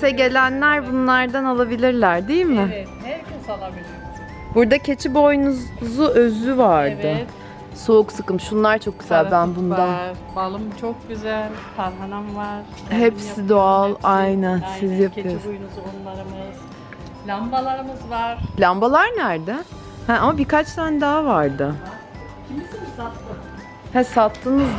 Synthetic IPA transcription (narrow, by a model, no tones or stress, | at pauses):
sɛɟe̞lʲænlʲæɾbunlˠaɾd̪analˠabilʲiɾlʲæɾd̪ejilʲmɪ | ɾc̪alˠabilʲiɾ | buɾd̪acʰe̞t͡ʃʰibo̞jnuzuʔøzyvaɾd̪ɯ | souksɯkɯmʃunlˠaɾt͡ʃʰo̞k̚ɟyzælʲbænbund̪an | balˠɯmt͡ʃʰok̚ɟyzælʲt̪ʰanɦanamvaɾ̥ | ɦepsid̪oalˠajnænsizjapʰɯjoɾjnuzonlˠaɾɯmɯz̥ | lʲambalˠaɾɯmɯzvaɾ̥lʲambalˠaɾnæɾd̪ɛ | hɛamabikat͡ʃt̪ʰænd̪aɦavaɾd̪ɯ | cʰimisinsat̪lˠɯ | hɛsat̪ʰlˠɯnɯz